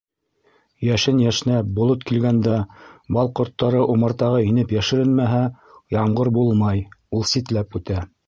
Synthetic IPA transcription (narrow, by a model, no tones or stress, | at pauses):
jæʃɘnjæʃɘ̆næbŏlˠot̪kilɡænd̪æbɑlˠqŏɾt̪ːɑɾɤʔumɤ̆ɾt̪ɑʁɤinɘpjæʃɘ̆ɾɘnmæɦæ | jɑɴɢɤɾbulˠmɑjulˠsit̪læpʉt̪æ